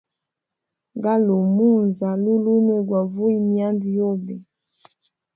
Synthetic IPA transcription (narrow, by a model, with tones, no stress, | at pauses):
ɡa˦lo˨mu˦nza˨lu˦lu˦nu˦˨ɡwa˨vu˦i˦mi˦a˦ndi˨jo˦˨bɛ˨